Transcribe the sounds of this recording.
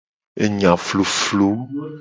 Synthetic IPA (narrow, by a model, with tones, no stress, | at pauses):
e˨ɲã˨flo˨flo˦